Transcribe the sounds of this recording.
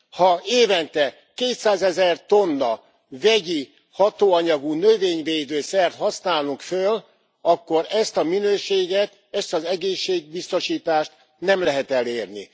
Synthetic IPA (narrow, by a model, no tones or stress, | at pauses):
hɒeːvɛnt̪ɛ | keːt̪saːzɛzɛrt̪o̞nːɒ | vɛɟi | hɒt̪oːɒɲɒɡunøveːɲveːd̪øːsɛrt̪hɒsnaːluŋkføl | ɒkːo̞ɾɛst̪ɒminøːʃeːɡɛt̪ | ɛst̪ɒzɛɡeːʃːeːɡ̚bist̪o̞ʃiːt̪aːʃt̪ | nɛmlɛɦɛt̪ɛleːrnḭ